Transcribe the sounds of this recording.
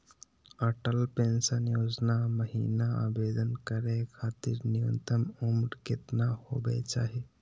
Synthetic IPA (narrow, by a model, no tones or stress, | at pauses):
əʈəlpẽːnsənjoːd͡ʒnaməɦḭːnaa̰ːbeːd̪ənkəɾekʰaːt̪ḭɾnɪʋə̰nt̪əmumɾkɪt̪naho̰ːbḛt͡ʃa̰ːɦe